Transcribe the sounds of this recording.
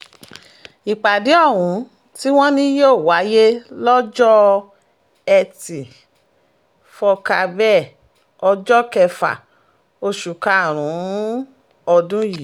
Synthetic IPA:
i˨k͡pa˨di˨˦ɔ˦˨ɦũ˨˦ | ti˦w̃ɔ̃˦nĩ˦joː˦˨wa˨˦je˦lɔ˦d͡ʒɔ˦ | ɛ˧ti˨ | fɔ˧ka˧bɛ˦˨ | ɔ˧d͡ʒɔ˦kɛ˧fa̰˨ | o˧ʃu˨ka˨ɾ̃ũ˨˦ | ɔ˧dũ˦ji˨

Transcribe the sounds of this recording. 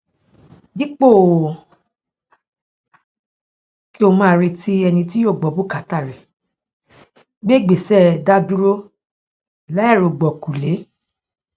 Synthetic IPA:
ɡi˦k͡po˦˨ | ki˦o˧mãː˦˧ɾe˧ti˧ɛ˧nĩ˧ti˦jo˦˨ɡ͡bɔ˨bu˦˨ka˨˦ta˦˨ɾɛ˨ | ɡ͡be˦˨ɡ͡be˨sɛ˦˨da˦du˦ɾo˦ | la˨˦ɛ˦˨ɾo˨ɡ͡bɔ˨ku˨le˨˦

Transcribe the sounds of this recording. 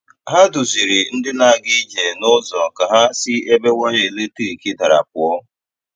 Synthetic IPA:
ɦa˦dʊ˨zi˨ɾɪ˨n̩˦dɪ˦na˨ɡi˦d͡ʒe˨nʊ˦zɔ˨ka˨ɦa˦sɪ˦e˦be˦wʷɔ˦ɲe˨e˨le˦ti˦ɾi˨ki˦da˨ɾa̰˨p̚ʊ˨ɔ˦

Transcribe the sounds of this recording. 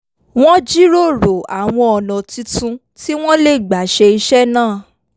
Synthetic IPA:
w̃ɔ̃˦d͡ʒi˦ɾo˦˨ɾo˨a˨w̃ɔ̃˧ɔ˨nɔ̃˨ti˧tũ˧ | ti˦w̃ɔ̃˦le˦˨ɡ͡ba˨˦ʃe˧i˧ʃɛ˦nãː˦˨

